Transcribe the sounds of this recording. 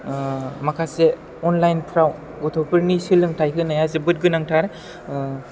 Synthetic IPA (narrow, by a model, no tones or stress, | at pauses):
makʰase | ɔnlajnpʰɾaw | ɡɔtʰɔpʰɯɾnisɯlɯŋtʰajkʰɯnajas̬ebɯt̚ɡɯnaŋtʰaɾe